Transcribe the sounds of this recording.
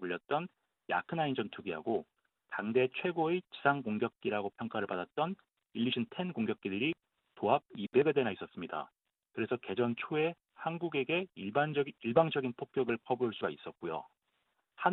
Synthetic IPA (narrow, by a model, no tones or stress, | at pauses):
uʎːʌt̚t͈ʌn | ja̰kʰɯnaind͡ʑʌntuɡiɦa̰ɡo | taŋde̞t͡ɕʰwe̞ɡoet͡ɕisʰaŋkoŋɡjʌk̚k͈iɾaɡopʰjʌŋk͈aɾɯɭpadat̚t͈ʌn | iʎːiɕʰintʰe̞nkoŋɡjʌk͈̚idɯɾi | toab̚ibe̞ɡade̞nais͈ʌs͈ɯmɲida̰ | kɯɾe̞sʰʌke̞d͡ʑʌnt͡ɕʰoe̞ | hanɡuɡe̞ɡe̞iɭband͡ʑʌiɭbaŋd͡ʑʌɡinpʰok̚k͈jʌɡɯɭpʰʌbuːɭs͈uɡais͈ʌt̚k͈ujo̰ | ha